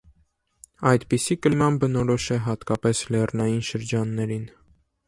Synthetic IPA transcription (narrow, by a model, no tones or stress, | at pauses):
ɑjd̪pisikəlmɑnbənɔɾɔʃɛɦɑt̪kɑpɛslɛrnɑjinʃəɾd͡ʒɑnːɛɾin